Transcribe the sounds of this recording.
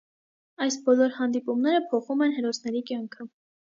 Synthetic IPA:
ɑjsbɔlɔɾhɑnd̪ipumnɛɾəpʰɔχumɛnɦɛɾɔsnɛɾikjɑŋkʰə

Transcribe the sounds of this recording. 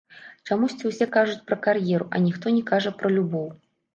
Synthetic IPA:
t͡ʂamusʲt͡sʲiwsʲɛkaʐut͡sʲpɾɐkarjɛɾuʔɐ̰nʲixt̪ɔnʲɛkaʐɐpɾɐlʲubɔw

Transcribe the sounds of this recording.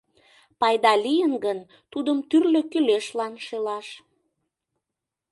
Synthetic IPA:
pɑjd̪ɑlijənɡən | t̪ud̪əmt̪yrløkyleʃlɑnʃelɑʃ

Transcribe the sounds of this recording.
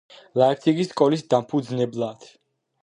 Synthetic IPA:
laɛk̚ʰsʰikiskʼɔlisd̪ampʰud̪znɛblad̪̥

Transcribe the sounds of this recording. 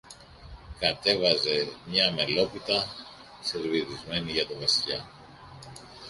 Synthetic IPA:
kɐt̪e̞vɐze̞mɲɐme̞lo̞pit̪ɐ | se̞ɾvioðizme̞niʝɐt̪ovɐsiʎɐ

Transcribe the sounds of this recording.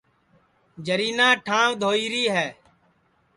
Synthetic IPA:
d͡ʒəɾiːnãːʈʰãːʋd̪ʱoːiːɾiːɦɛː

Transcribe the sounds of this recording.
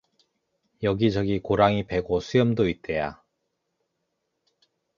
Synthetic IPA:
jʌɡid͡ʑʌɡikoɾaŋipe̞ɡosʰujʌmdoit̚t͈eja̰

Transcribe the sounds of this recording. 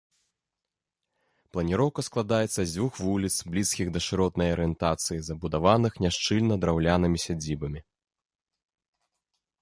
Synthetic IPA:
plˠɐnʲiɾɔwkɐsklˠad̪ajɛt̪sːɐzʲvuxvulʲit̪sblʲiskʲiɣd̪ɐʂɨɾɔt̪nɐjɐɾɨɛnt̪at̪sɨjizɐbud̪avanɨxnʲaʂt͡ʂɨlʲnɐd̪ɾawlʲanɨmʲisʲad͡zʲibɐmʲi

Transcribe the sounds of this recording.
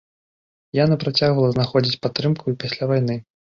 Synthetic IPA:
janɐpɾat͡sʲaɣvɐlˠɐznaxɔd͡zʲit͡sʲpat̪ːɾɨmkʰuipasʲlʲavajnɨ

